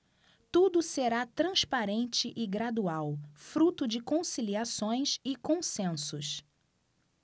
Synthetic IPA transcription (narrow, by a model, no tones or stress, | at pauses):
t̪ud̪ʊseɾat̪ɾɐ̃spaɾẽnt͡ʃɪʔɪɡɾad̪uawfɾut̪ʊd͡ʒɪkõsiliasõj̃sɪkõsẽsʊs